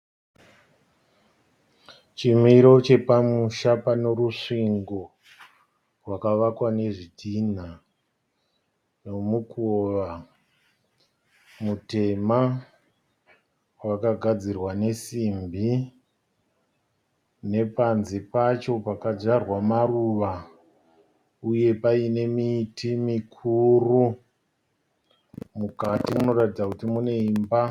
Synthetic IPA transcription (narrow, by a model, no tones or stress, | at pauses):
t͡ʃimiɾo̞t͡ʃe̞pamuʃapano̞ɾuʂiŋɡo̞ | rwakaʋakwane̞ʐitʰin̤a | no̞mukoʋa | mute̞ma | wakaɡʱad͡zirwane̞simbʱi | ne̞panzipat͡ʃo̞pakad͡ʒarwamaruʋa | uje̞paine̞miːtʰimikʰuru | mukatimuno̞ratid͡zakutimune̞imba